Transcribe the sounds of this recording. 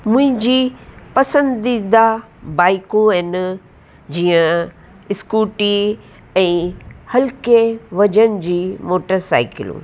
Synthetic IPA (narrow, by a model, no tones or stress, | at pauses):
mʊ̃ɦɪ̃ɲd͡ʑiːpɐsə̃nd̪id̪a | baːɪkõɛn | d͡ʑiːə̃ | ɪskuːʈi | ɛ̃ːhɐlkeʋɐd͡ʑənɪd͡ʑiːmoːʈəɾsa̰ːɪkɪ̰lṵ̃ː